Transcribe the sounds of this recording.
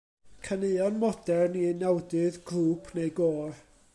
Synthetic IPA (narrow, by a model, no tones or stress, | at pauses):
kʰaneɨɔnmɔd̥ɛrninawdɨðɡruːpʰnejɡoːr